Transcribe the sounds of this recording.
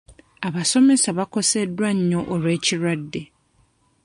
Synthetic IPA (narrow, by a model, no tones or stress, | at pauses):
aβasomesaβakosedwaɲ̩ɲoʔoɾecʰiɾadːe